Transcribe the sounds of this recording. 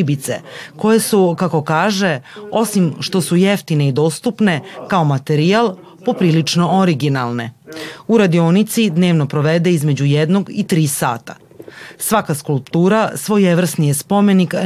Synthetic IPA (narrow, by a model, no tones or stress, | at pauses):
ibit̪seko̞je̞sukako̞kaːʒe̞o̞simʃt̪o̞sujeft̪ine̞id̪o̞ːst̪upne̞kao̞mat̪eɾialˠ | po̞pɾiːlit͡ʂno̞oɾiɡinalˠne̞uɾad̪ionit̪sid̪ne̞ːʋno̞pɾo̞ʋed̪e̞izme̞d͡ʑujed̪noɡit̪ɾiːsa̰ːt̪a | sʋakaskulˠpt̪uːɾasʋo̞jeʋr̩snijespo̞me̞nik